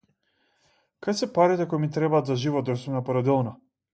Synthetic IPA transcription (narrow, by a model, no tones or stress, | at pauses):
kajsɛpaɾit̪ɛkɔjmit̪ɾɛbaːt̪zaʒivɔt̪̚d̪ɔjsumnapɔɾɔd̪ɛlˠnɔ